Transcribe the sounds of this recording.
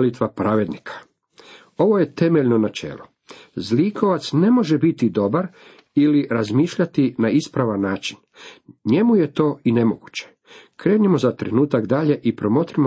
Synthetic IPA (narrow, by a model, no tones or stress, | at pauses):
lit̪ʋapɾaːʋe̞d̪nikʰḁ | o̞ʋo̞je̞t̪e̞meʎno̞nat͡ʃe̞̰ːlˠo | zlikʰo̞ʋat̪sne̞mo̞ʒebit̪id̪o̞baɾ | iliɾazmiːʃʎat̪inaispɾaʋanːaːt͡ʃin | ɲe̞muje̞t̪o̞ːine̞mo̞ɡut͡ɕe̥ | kɾe̞ːnemo̞zat̪ɾenuːt̪aɡd̪aʎe̞ʔipɾo̞mo̞t̪iɾimo